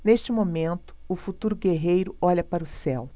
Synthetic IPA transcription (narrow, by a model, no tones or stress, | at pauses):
neʃt͡ʃɪmomẽnt̪ʊ̥ʊfut̪uɾʊɡeɦejɾʊɔʎʲɐpaɾʊsɛw